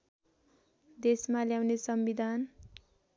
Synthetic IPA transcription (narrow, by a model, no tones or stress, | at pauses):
d̪esmaljawnesʌmbid̪ʱan